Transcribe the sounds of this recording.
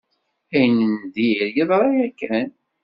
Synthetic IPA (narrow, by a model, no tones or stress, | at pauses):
æjnənd̪iɾjəðˤɾˤɑjækːæn